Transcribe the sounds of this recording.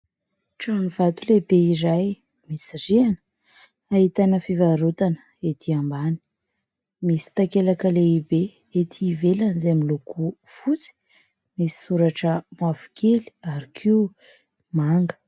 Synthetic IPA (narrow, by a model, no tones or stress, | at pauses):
ʈ͡ʂanivat̪ulebeiɾaj | misirianə | ait̪anəfivaɾut̪anə | et̪ʰiambani̥ | misi̥t̪akelakəleibe | et̪ʰiːvelanizeamilukʰu | fut͡si̥ | misi̥suɾaʈ͡ʂəmwafi̥kʰeli̥aɾikʰiu | maŋɡə̥